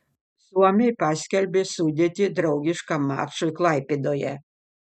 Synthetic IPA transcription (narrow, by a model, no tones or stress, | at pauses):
suɔmʲɛjpasʲkʲɛlʲbʲesuːd̪ʲet̪ʲɪd̪ɾɐʊɡʲiʃkamɑ̰ːʃɔjklˠajpʲed̪ojɛ̰